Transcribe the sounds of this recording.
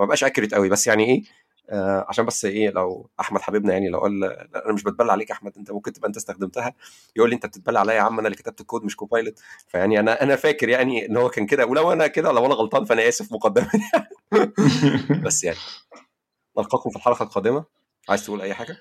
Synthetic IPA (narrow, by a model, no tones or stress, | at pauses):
mæbʔæːʃʔækːeɾet̪ʔæwibæsːjaʕniʔeː | ʔæʕaʃæːmbæsːʔeːlæ̰wʔaħmæd̪̥ħabibnæjaʕnilæ̰wʔæ̰ːlːʔænæmeʃbet̪̚bælːæʕaleːkʔaħmæd̪ʔent̪æmomkent̪ebʔent̪æest̪æxd̪emt̪æhæ | jʔuːlːiʔent̪æb̚t̪et̪̚bælːaʕalæjːæʕamːʔænælekːet̪æb̚t̪ekːoːd̪meʃkopɑjlet̪fæjaʕniʔænæʔænæfæːkeɾjaʕnienːhowːækæːnked̪æwelæwʔænæked̪ælæwʔænæɣɑlt̪ˤɑːnfæʔænæjæːsefmoqɑd̪ːemæjai | bæsːjaʕni | nɑlqɑːkomfilħɑɾɑqɑlqɑːd̪emæ | ʕaːjezt̪eʔuːlʔæjːħaːɡæ